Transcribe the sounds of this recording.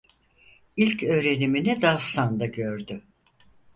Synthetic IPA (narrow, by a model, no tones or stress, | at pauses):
ilʲcʰø̞ːɾe̞niminid̪asand̪aɟøɾd̪ʏ